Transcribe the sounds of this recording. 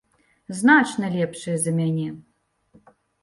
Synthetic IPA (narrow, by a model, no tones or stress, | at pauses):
znat͡ʃnɐlʲɛpʂɨjɛzɐmʲanʲɛ